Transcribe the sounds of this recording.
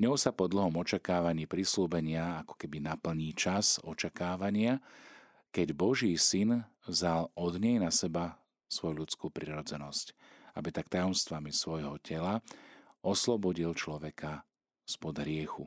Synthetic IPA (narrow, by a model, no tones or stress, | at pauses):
ɲɔʊsapɔd̪l̩ɦɔmɔt͡ʃakaːʋaɲiːpɾisluːbɛɲɪaakɔ̥kɛbinapl̩ɲiːt͡ʃasɔt͡ʃakaːʋaɲɪa | kɛɟbɔʒiːsin | vzalɔd̪ɲɛjnasɛba | sʋɔjuʎut͡skuːpɾiɾɔd͡zɛnɔsc | a̰bit̪ak̚t̪ajɔmst̪ʋamisʋɔjɦɔcʰɛla | ɔslɔbɔɟilt͡ʃlɔʋɛkʰa | spɔd̪ɦɾɪɛxṵ